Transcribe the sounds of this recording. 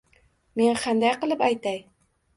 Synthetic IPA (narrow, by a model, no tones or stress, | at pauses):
me̞nqʰɑnd̪ajqɨlˠɪpajt̪aj